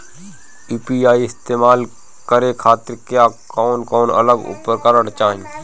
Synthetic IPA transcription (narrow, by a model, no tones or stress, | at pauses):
iːpiaːiɪst̪eːmaːl | kəɾekʰaːt̪ɪɾkeakɔːnkɔːnə̰ləɡṵpːəɾkaɾəɽt͡ʃãːĩ